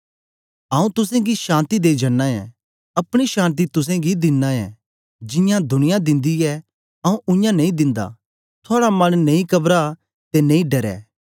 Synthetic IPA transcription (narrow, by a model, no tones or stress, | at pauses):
ɐũt̪ʊsẽɡiʃãːnt̪id̪eːid͡ʒɐnːaɛ̰ | ɐpɽ̃iʃãːnt̪̬it̪ʊs̬ẽɡid̪ɪnːãɛ̰ | d͡ʒɪ̃jãd̪ʱʊɽ̃ɪjãd̪ɪ̃nd̪iɛ | ɐũʔʊ̃jãnɐ̃ĩd̪ɪ̃nd̪a̰ | t̪ʰʊaːɽamɐnnɐ̃ĩkɐbɾa | t̪enẽĩɖɐɾɛ̰ː